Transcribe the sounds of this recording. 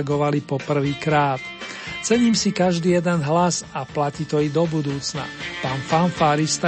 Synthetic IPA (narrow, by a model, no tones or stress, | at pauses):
ɡɔʋalipɔpr̩ʋiːkɾaːt̪t͡sɛɲiːmsikaʒd̪iːjɛd̪ɛnɦlazaplaciːt̪ɔid̪ɔbud̪uːt͡sna̰paːnfanfaːɾist̪a